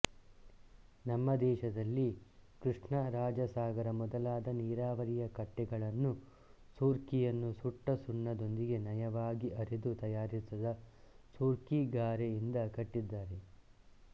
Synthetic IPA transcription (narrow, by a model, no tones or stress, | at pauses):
nɐmːɐd̪ɛːʃɐd̪ɐlːikɾuʂɳɐɾaːd͡ʒɐsaːɡɐɾɐmɔd̪ɐlaːd̪ɐniːɾaːʋɐɾijɐkɐʈːɛɡɐɭɐnːu | suːɾkijɐnːusuʈːɐsuɳːɐd̪o̞nd̪iɡe̞nɐjɐʋaːɡiʔɐɾed̪ut̪ɐjaːɾisɐd̪ɐ | suːɾkiɡaːɾejind̪ɐkɐʈːid̪ːaːɾe̞